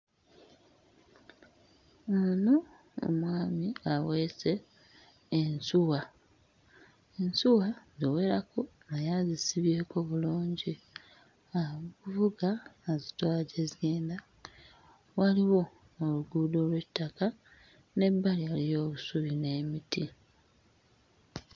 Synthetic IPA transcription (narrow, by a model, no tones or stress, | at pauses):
ono | o̰mwaːmiawe̞se̞ː | nsuwa | ensuwaziwe̞ːɾako | najazisiβje̞ːko̞βuluːɲɟi | akuvuɡaːzi̥twaːɟezjeːnda | waliwo̞ː | luɡuːdo̞lwe̞tːaka | ne̞bːalialijo̞ːβusuβine̞miti